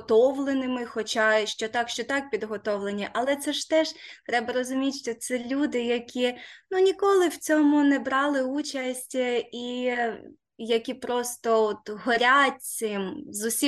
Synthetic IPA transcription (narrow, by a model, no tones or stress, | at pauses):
t̪ɔwlˠenɪmɪxɔt͡ʃɑʃt͡ʃɔt̪ɑkʃt͡ʃɔt̪ɑk̚pʲid̪ɦɔt̪ɔʋlˠenʲiʔɐlˠɛt̪sɛʃt̪ɛʃt̪ɾɛbɐɾɔzʊmʲitʲʃt͡ʃɔt̪sɛlʲud̪ɪjɐkʲinunʲikɔlˠɪwt͡sʲɔmʊnɛbɾɑlˠɪut͡ʃɐsʲtʲi | jɐkʲipɾɔst̪ɔɔt̪ɦɔɾʲat̚ʲsɪmzʊsʲi